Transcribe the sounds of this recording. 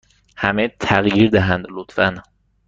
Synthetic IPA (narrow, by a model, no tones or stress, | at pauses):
hæmet̪ʰæɣjiːɾd̪æɦænd̪lot̪fæn